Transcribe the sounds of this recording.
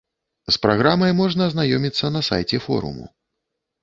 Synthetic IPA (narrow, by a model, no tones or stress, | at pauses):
spɾaɣɾamɐjmɔʐnɐːznajɔmʲit̪sːɐnɐsa̰jt͡sʲɛfɔ̰ɾṵmṵ